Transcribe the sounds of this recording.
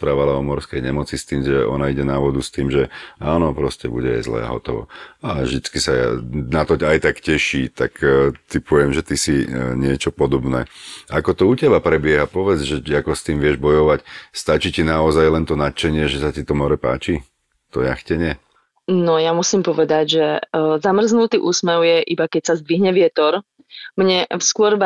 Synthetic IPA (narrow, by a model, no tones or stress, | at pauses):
pɾaːʋalaɔmɔɾskɛjɲɛmɔt͡sist̪iːmʒɛɔ̰naiɟɛnaʋɔd̪ust̪iːmʒɛaːnɔpɾɔscɛbṵɟɛa̰jzlɛ̰ːa̰ɦɔ̰t̪ɔʋɔ̰aʒd̪it͡skisaa̰nat̪ɔcaːjt̪akcɛʃiːt̪akt̪ipuɛmʒɛt̪isiɲɪɛt͡ʃɔpɔd̪ɔbnɛ̰ːakɔt̪ɔucɛbapɾɛbɪɛɦapɔʋɛd͡zʒɛakɔst̪iːmʋɪɛʒbɔjɔʋacst̪at͡ʃicinaɔzajlɛnt̪ɔnat̪t͡ʃɛɲɪɛʒɛsacit̪ɔmɔɾɛpa̰ːt͡ʃi | t̪ɔ̰ja̰xcɛɲɪɛ | nɔjamusiːmpɔʋɛd̪aɟʒɛzamr̩znut̪iːʔuːsmɛʊjɛʔibakɛcsazd̪ʋiɦɲɛʋɪɛt̪ɔɾ | mɲɛskʊɔɾ